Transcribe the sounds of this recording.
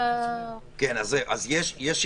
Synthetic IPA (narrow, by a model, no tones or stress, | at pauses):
kenazeʔazjeʃjɛʃ